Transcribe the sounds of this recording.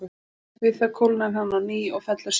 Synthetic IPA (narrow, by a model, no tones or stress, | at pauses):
vɪθakʰowlnamɦanːaniːɔɣfɛt̪laɾ̥s